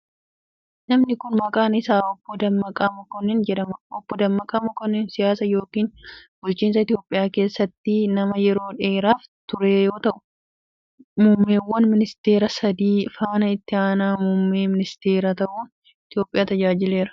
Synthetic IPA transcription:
nɐmnɪkʊnmɐkʼaːnɪsaːɔbːɔd̪ɐmːɐkʼɐmʊkɔnːɛnd͡ʒɛᶑɐmɐɔbːɔd̪ɐmːɐkʼɐmʊkɔnːɛnsɪjaːsɐjo̞ːkiːnbʊlt͡ʃːiːns̬ɐɪt̪ɪjo̞ːpʼːɪjaːke̞ːsːɐt̪ːɪnɐmɐjɛɾo̞ːᶑe̞ːɾaːft̪ʊɾejo̞ːt̪ɐʔʊ̥ | mʊmːeːwːɐnmɪnɪst̪e̞ːɾɐsɐd̪iːfaːnɐɪt̪ːɪaːnaːmʊmːeːmɪnɪst̪e̞ːɾat̪ɐʔuː | ɪt̪jo̞ːpʼːɪjaːt̪ɐd͡ʒaːd͡ʒɪle̞ːɾɐ̥

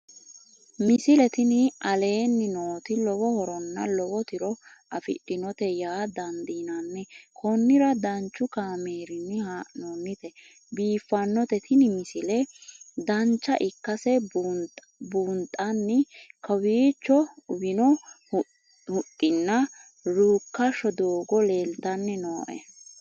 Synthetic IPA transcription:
mɪsɪlɛt̪ɪnɪʔɐle̞ːnːɪnoːt̪ɪlɔβɔhɔɾɔnːɐlɔbɔt̪ɪɾɔɐfɪ̰ɗːɪnɔt̪ɛjaːd̪ɐnd̪iːnɐnːɛkʰɔnːɪɾɐd̪ɐnt͡ʃːʊkaːmeːɾɪnːɪhanoːnːɪt̪ɛ | biːfːɐnːɔt̪ɛt̪ʰɪnɪmɪsɪlɛd̪ɐnt͡ʃːɐʔɪkːɐsɛ | buːnt̪ʼːɐnːɪkɐwiːt͡ʃːɔʊbɪnɔ | hʊt̪ʼːɪnːɐ | ɾuːkːɐʃɔd̪oːɡɔleːld̪ɐnːɛnoːʔɛ̰

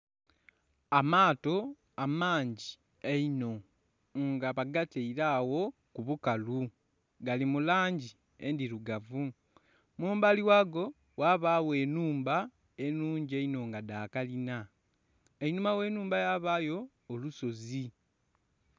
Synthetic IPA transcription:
amaːto̞ | amaːɲɟi | eino̞ | ŋɡaβaɡateiɾawo̞kuβukalu | ɡalimulaːɲɟi | e̞ndiɾuɡavu | muːmbaliwaːɡo̞ | waβaːwe̞ːnuːmba | e̞nuːɲɟieino̞ŋɡadaːkalina | einuːmawe̞ːnuːmbajaβaːjo̞ː | luso̞zi

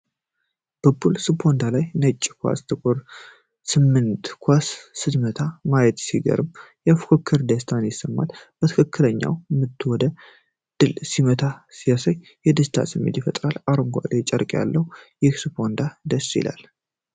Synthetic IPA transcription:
b̥əbulsɨpʰːond̪alajnət͡ʃʼːkʰʷa̰st̪ʰɨkʷʼɨɾ | sɨmːɨnt̪kʰʷasːɨd̪mət̪ʰamajɛt̪siɡə̰ɾɨmjafkʰokʰːɨɾd̪əst̪ʰanjɪsːəmːa̰lb̥ət̪ʰɨkʰɨkːɨləɲːa̰wmːɨt̪ʰːwɔd̪ə | d̪̥ɨlsimət̪ʰasijasəj | jɛd̪ɨst̪ʰa̰sɨmːḛt̪jɪfət̪ʼɾalaɾoŋɡʷa̰ʔd̪et͡ʃʼəɾkʼja̰lːəhujɪhsɨpʰo̞nd̪ad̪əsːḭla̰l

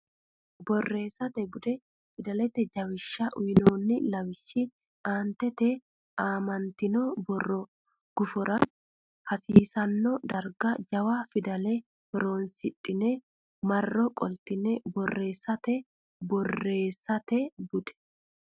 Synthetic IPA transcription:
bɔrːe̞ːsɐt̪ɛbʊd̪ɛ | fɪd̪ɐlɛt̪ɛd͡ʒɐwɪʃːɐʔʊjɪnoːnːɪlɐwɪʃːɪ | aːnt̪ɛt̪ɛ | ʔaːmɐnt̪ɪnɔbɔrːɔ | ɡ̥ʊfɔɾɐ | hɐsiːsɐnːɔd̪ɐɾɡɐd͡ʒɐwafɪd̪ɐlɛ | ɾoːnsɪtʼːɪnɛ | mɐrːɔkʼɔlt̪ɪnɛbɔrːe̞ːsːɐt̪ɛ | bɔrːe̞ːsːɐt̪ɛbʊd̪ɛ̥

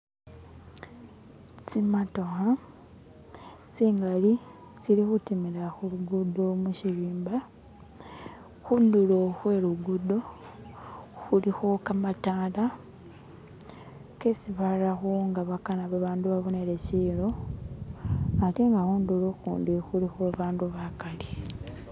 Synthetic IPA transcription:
t͡simato̞xa | t͡siːŋɡali | t͡silixutimiɾaxuluɡudo̞muʃiβiːmba | xunduloxwe̞ːɾuɡudo̞ | xulixo̞kamataːla | kesiβalaxoŋɡaβakanaβaβaːnduβaβone̞ɾe̞ciːlo̞ | ateŋɡaxuːnduloxuːndixulixweβaːnduβakali

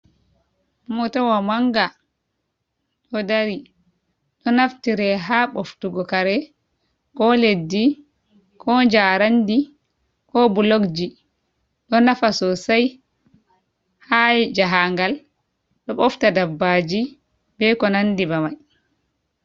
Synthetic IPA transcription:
mɔtawamaŋɡa | ɗɔdaɾi | ɗɔnaftiɾɛɦaɓoftuɡɔkaɾɛ | kɔledːi | kʰɔɲd͡ʒaɾandi | kɔbulokd͡ʒi | ɗɔnafasɔsaj | had͡ʒaɦaŋɡal | ɗɔɓɔftadabːad͡ʒi | bɛkɔnandibamaj

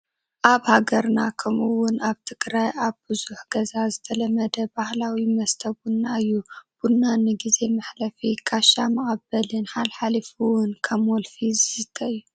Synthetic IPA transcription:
ʔaβhaɡɐɾnakʰɐmɨwːʊnaβt̪ʰɨkʼɾajʔaβbɨzuħɡ̥ɐzazɨt̪ʰɐlɐmːɐd̪ɐbahlawimɐst̪ʰɐbunːaɨjːub̥unːanɨɡize̞maħlɐfikʰaʃamɨχʼɐbɐlɨnħalħalifɨwʊnkʰɐmwɔlfizɨsɨt̪ʰʼːɐɨjːu

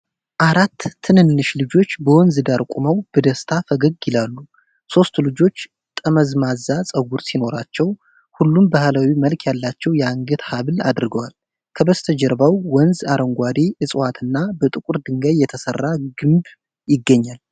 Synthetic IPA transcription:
ʔaɾat̪ʰːɨnɨnːɨʃlɨd͡ʒo̞t͡ʃːbəwɔnzɨd̪aɾkʷʼuməwb̥əd̪əst̪ʰafəɡəɡɪlalːu | so̞st̪lɨd͡ʒo̞t͡ʃː | t̪ʼəməzmazːasʼəɡuɾsino̞ɾat͡ʃːɛw | hulːumbahəlawiməlkʰjalːat͡ʃːɛwjɛaŋɡɨt̪haβla̰d̪ɾɡəwal | kʰəbəst̪ʰəd͡ʒəɾbawwɔnzaɾəŋɡʷad̪iʔɨsʼwat̪ʰɨnːabət̪ʼɨkʼuɾd̪ɨŋɡəjjɛt̪ʰəsərːaɡɨmb | jɪɡːəɲːal

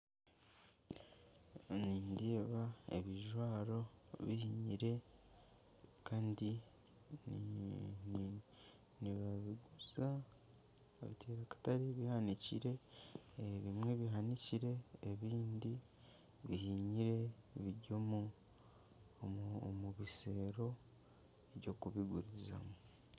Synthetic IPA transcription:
niːndieβaḛβiʒwaːɾo̞βihiɲiɾe̞ | kaːndi | niβaβiɡuza | ḛβitʰeːɾakḁtaɾiβihanicḭɾe̞ | βimwe̞βiɦaniciɾe̞ːβiːndi | βihiɲiɾe̞βiɟomu | omuβiseɾo̞ | eβɟo̞kuβiɡuɾiza̰mu

